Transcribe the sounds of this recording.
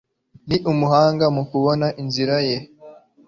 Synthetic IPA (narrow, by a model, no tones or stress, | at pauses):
niʔumuhaːŋɡamukuβonaʔinziɾaje